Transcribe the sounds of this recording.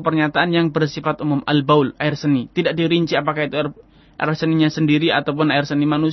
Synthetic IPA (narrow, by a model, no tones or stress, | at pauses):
pərɲat̪aanjaŋbərsifat̪umʊma̰lbawlaɪrsənit̪idaʔ̚diɾiɲt͡ʃiapakait̪uar | ʔaɪrsəniɲasəndiɾiat̪awp̬ʊnaɪrsənimanus